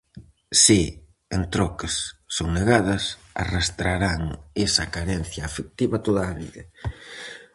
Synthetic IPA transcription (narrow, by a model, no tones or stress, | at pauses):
si | ent̪ɾɔkesːoŋneɣaðɐs | a̰rast̪ɾaɾaŋesɐkaɾɛn̟θjaːfek̚t̪iβɐt̪oðaːβḭðɐ